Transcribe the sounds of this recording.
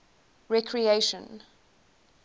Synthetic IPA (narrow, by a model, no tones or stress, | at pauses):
ɹɛkʰɹieʃə̃n